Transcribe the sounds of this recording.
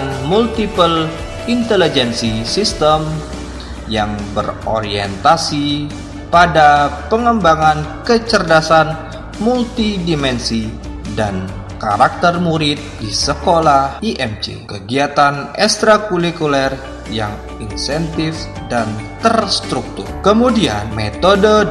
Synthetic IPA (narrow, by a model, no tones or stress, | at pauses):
nmult̪ipəl | int̪ɛlid͡ʒɛnsisist̪əm | jaŋbəro̰ɾiɛnt̪asi | padapəŋəmbaŋankət͡ʃərdasan | mult̪idimɛnsi | dan | ka̰ɾak̚t̪ərmuɾɪt̪̚disəkolahiʔɛmt͡ʃḛkəɡiat̪anɛkst̪ɾakulikulɛr | ja̰ŋ | insɛnt̪if | dant̪ərst̪ɾuk̚t̪ṵrkəmudianmɛt̪odə